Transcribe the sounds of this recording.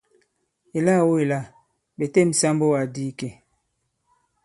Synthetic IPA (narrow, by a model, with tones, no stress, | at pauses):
e˨la˦˨wo˦e˨la˦˨ | be˨te˦˨m̩˨sa˦mbo˦wa˨di˦ke˦˨